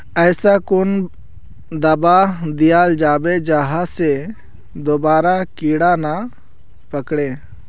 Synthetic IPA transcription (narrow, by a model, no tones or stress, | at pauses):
əjsakʊn | d̪abad̪ijald͡ʒaːbɛd͡ʒaɦasɛ | d̪ɔbaɾakiɽana | pəkɽɛ